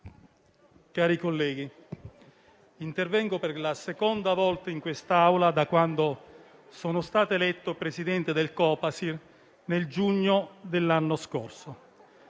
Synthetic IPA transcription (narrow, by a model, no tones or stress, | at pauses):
kaːɾikolːɛːɡi | int̪ervɛŋɡoperlasekɔnd̪avɔlt̪aiŋkwest̪aawlad̪akwand̪o | soːnost̪aːt̪elɛt̪ːopɾesid̪ɛnt̪ed̪elkɔːpasir | neld͡ʒuɲːod̪elːanːoskorso